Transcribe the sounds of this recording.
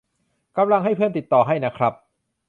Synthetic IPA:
ka˧mla˧ŋɦa˥˩jpʰɯ˥˩ənt̪i˨˩t̪ːɔː˨˩ɦa˥˩jna˦˥kʰɾa˦˥p̚

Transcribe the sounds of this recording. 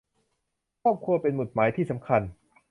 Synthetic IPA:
kʰɔː˥˩p̚kʰu˧ɐpe˧nmu˨˩t̪̚maː˩˦jt̪ʰiː˥˩sa˩˦mkʰa˧n

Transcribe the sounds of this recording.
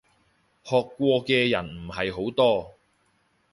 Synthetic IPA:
hɔː˨kːʷɔː˧kɛː˧jɐ˨˩nm̩˨˩hɐ˨jɦo˨˥wt̪ɔː˥

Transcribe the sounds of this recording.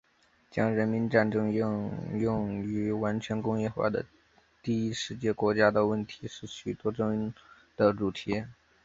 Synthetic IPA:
t͡ɕjɑ˥ŋɻə˧˥nmi˧˥nʈ͡ʂa˥˩nʈ͡ʂɤ˥ŋʊ˥˧jʊ˥˩˧ŋy˧˥wa˧˥nt͡ɕʰɥɛ˧˥nkʊ˥ŋjɛ˥˧xwa̰˥˩d̪ə̰˩ | t̪i˥˩i˥ʂɻ̩˥˧t͡ɕjɛ˥˩kwɔ˧˥t͡ɕja˥d̪ə˨wə˥˩nt̪ʰi˧˥ʂɻ̩˥˩ɕy˨˩t̪wɔ˥ʈ͡ʂɤ˥˧ŋ˥˩ŋ | d̪̥ə˨ʈ͡ʂu˨˩t̪ʰi˧˥

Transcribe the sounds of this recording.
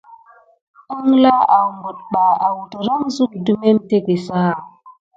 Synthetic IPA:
ə˦ŋla˦a˨mbu˨t̚ɓa˨a˨wu˨tɾa˦ŋzu˦k̚du˦me˦m˦te˦ke˨sa˦a˨

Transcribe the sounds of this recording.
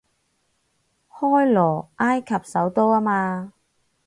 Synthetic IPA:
hɔː˥jlɔː˨˩ʔaː˥jkʰɐ˨p̚sɐ˨˥wt̪o˥waː˥maː˧

